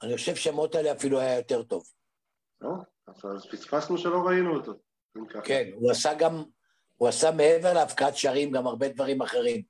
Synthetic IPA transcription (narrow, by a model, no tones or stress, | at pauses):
aniχo̞ʃe̞vʃeamot̪aeleafiluajajo̞t̪e̞ʁt̪o̞v | o | azazpit͡sfasnuʃelo̞ʁainuot̪o | inkakʰenuasaɡam | uasame̞eve̞ʁleafkaat̪ʃaʁimɡamaʁbe̞d̪vaʁimaχe̞ʁim